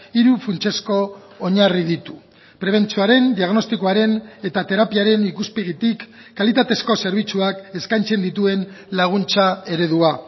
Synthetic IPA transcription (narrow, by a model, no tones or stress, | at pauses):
iɾufunt͡ʃe̞sko̞ː | ɲariðit̪u̥ | pɾe̞β̞e̞nt͡suaɾe̞nd̪iaɣno̞st̪ikoaɾe̞ne̞t̪at̪e̞ɾapiaɾe̞nikuspeɣ̞it̪ikːalit̪at̪e̞sko̞se̞ɾβ̞it͡suake̞skajnt͡se̞nd̪it̪ue̞nlaɣ̞unt͡sae̞ɾe̞ðua